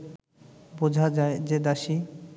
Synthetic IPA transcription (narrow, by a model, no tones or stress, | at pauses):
bod͡ʑʱad͡ʑaed͡ʑed̪aʃi